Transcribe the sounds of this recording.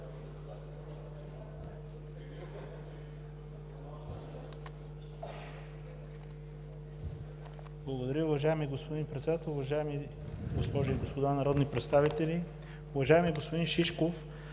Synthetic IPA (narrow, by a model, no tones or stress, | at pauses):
blˠɐɡod̪ɐɾʲəʊvɐʒaɛmiɡospod̪inpɾɛt̪sɛd̪at̪ɛlˠʊvɐʒaɛmi | ɡospɔʒuiɡospod̪anɐɾɔd̪nipɾɛt̪st̪avit̪ɛli | ʊvɐʒaɛmiɡospod̪inʃiʃkof